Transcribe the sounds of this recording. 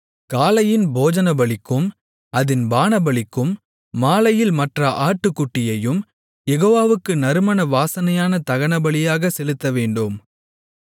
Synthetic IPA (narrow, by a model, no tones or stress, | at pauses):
kaːlɐjɪnboːd͡ʒɐnɐbɐɭɪkːɯm | ɐðɪnbaːnɐbɐɭɪkːɯmː | aːlɐjɪlmɐʈrɐʔaːʈːɯkːʊʈːɪjɐjɯm | jɛɣoːʋaːʋɯkːɯnɐɾɯmɐnɐʋaːsɐnɐjaːnɐt̪ɐɣɐɳɐbɐɭɪjaːɣɐsɛlɯt̪ːɐʋeːɳɖɯm